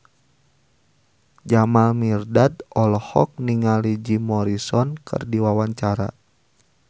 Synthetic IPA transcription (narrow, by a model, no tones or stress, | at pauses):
d͡ʒamalmirdadɔlɔhɔk̚niŋalid͡ʒimɔɾisɔnkʰɨ̰rdiwawaɲt͡ʃaɾa̰